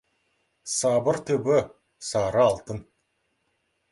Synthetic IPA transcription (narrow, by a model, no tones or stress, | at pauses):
sɑbəɾt̪ʰɵbɪ | sɑɾəɑlˠt̪ən